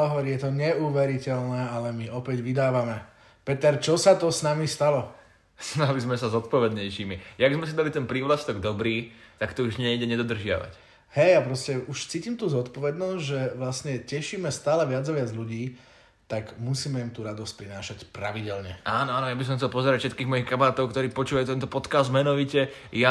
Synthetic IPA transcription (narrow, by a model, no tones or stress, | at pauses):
ɦɔʋɔɾijɛt̪ɔɲɛuːʋɛɾicɛlnɛːalɛmiɔpɛɟʋid̪aːʋamɛ | pɛt̪ɛɾt͡ʃɔsat̪ɔsnamist̪alɔ | snalizmɛsazɔt̪̚pɔʋɛd̪ɲɛjʃiːmijaɡzmɛsid̪alit̪ɛnpɾiːʋlast̪ɔɡd̪ɔbɾiːt̪akt̪ɔuʒɲɛiɟɛɲɛd̪ɔd̪r̩ʒɪa̰ʋa̰c | hɛjapɾɔscɛʔuʃt͡siːcimt̪uːzɔt̪pɔʋɛd̪nɔzɟʒɛʋlasɲɛcɛʃiːmɛst̪aːlɛʋɪad͡zaʋɪad͡zʎuɟiː | t̪aɡmusiːmɛimt̪uːɾad̪ɔsc̚pɾinaːʃacpɾaʋiɟɛlɲɛʔaːnɔaːnɔjabis̬ɔm̃xt͡sɛlˠpɔzɛɾacfʃɛt̪kiːɣmɔjixkamaɾaːt̪ɔʊkt̪ɔɾiːpɔt͡ʃuːʋajuːt̪ɛnt̪ɔpɔt̪kaːzd̪mɛnɔʋicɛ | ja